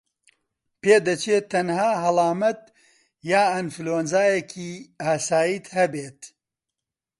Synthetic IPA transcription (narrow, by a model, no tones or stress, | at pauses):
peːd̪ɐt͡ʃeːt̪ʰːɐnhaːɦɐlɑːmɐt̪ | jaːɐnfɨloːnzaːjɛkʰiːaːsaːjiːt̪hɐbeːt̪